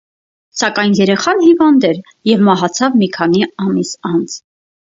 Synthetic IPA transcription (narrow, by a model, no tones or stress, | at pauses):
sɑkɑjnjɛɾɛχɑnhivɑnd̪ɛɾ | jɛvmɑɦɑt͡sʰɑvmikʰɑniɑmisɑnt͡sʰ